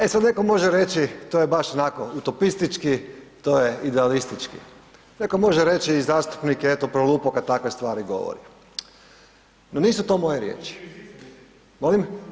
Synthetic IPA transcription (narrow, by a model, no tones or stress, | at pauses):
esad̪ne̞ko̞mo̞ʒeɾe̞t͡ɕit̪oːjebaʃonako̞ut̪o̞pist̪it͡ʃkit̪ojeid̪ealist̪it͡ʃkḭ | ne̞ko̞mo̞ʒeɾe̞t͡ʃiːzaːst̪u̥pnikeet̪opɾolˠuːpokad̪̚t̪akʋe̞st̪ʋaːɾiɡo̞̰ʋo̰ɾḭ | noniːsut̪o̞mo̞jeɾjḛːt͡ʃi̥ | mo̞lim